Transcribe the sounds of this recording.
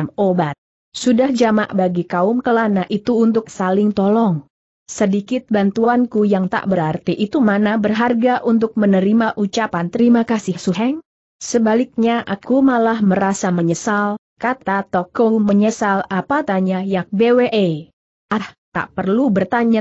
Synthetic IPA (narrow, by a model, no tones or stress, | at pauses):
mobat̪̚ | sudahd͡ʒama̰ʔbaɡikaʊmkəlanaʔit̪uːnt̪ʊk̚salɪŋt̪ɔlɔŋ | sədikɪt̪̚bant̪uankujaŋt̪a̰ʔbəɾart̪iʔit̪umanabərɦarɡaʔunt̪̬ʊk̚mənəɾimaʔut͡ʃapant̪əɾimakasɪhsuɦɛŋ | səbalɪk̚ɲaʔakumalahməɾasaməɲəsal | kat̪at̪ɔkɔŋməɲəsalapat̪aɲajak̚beweʔe | ʔaht̪a̰ʔpərlubərt̪aɲa